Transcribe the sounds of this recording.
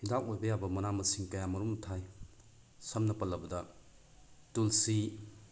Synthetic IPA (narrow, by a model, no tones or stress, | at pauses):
hidakojbɐjabɐmɐnamɐsiŋkɐjamɐɾumtʰaj | sɐmnɐpɐlːɐbɐdɐ | tulsi